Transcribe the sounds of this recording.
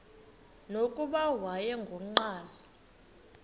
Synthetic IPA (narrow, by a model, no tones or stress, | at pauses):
nokʼuɓawajɛŋɡʱɔŋ͡ǃaːla